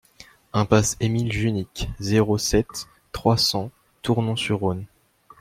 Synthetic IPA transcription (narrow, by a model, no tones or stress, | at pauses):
ɛ̃pasemilʒynikzeʁosɛt̪ː | χwasɑ̃ | t̪uʁnɔ̃syʁːon